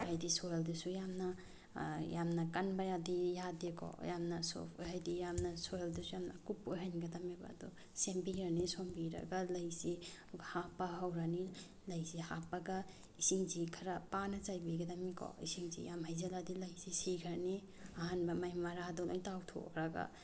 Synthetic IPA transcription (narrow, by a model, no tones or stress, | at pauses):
hajdisojeldusujamnɐ | jamnɐkɐnbajadijadekʰɔ̰jamnɐso̰pʰo̰jɦajdijamnɐsojldusujamnɐ̰kupojɦajnɡɐtameba̰du | sembiɾanisombiɾɐ̰ɡalɐjsi | ɡhapːaɦawɾani | lɐjsihapaɡa | isiŋzikʰɐɾɐpanɐt͡ʃajbiɡɐdɐmikʰɔ̰isiŋzḭjamɦajzeladilɐjsisikʰaɾni | aɦanbɐmajmɐɾadɔlʔo̰jtawtʰo̰kɾaɡa̰